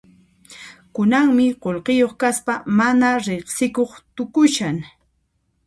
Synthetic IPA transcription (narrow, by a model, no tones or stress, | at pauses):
kʊnaŋmɪqolqɪjoχkaspamanaɾeχsɪkoχt̪ʊkʊʃaŋ